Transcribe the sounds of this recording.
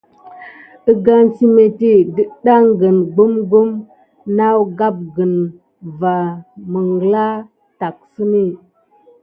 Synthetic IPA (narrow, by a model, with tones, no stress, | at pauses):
ə˦ɡa˦nt͡ʃi˦me˨ti˦di˦ɗa˦ŋɡə˨nɡu˦mɡu˦m | na˦wɡa˦p̚ɡə˨n | va˨mə˨ŋɡla˦ | ta˨k̚sə˦ni˦˨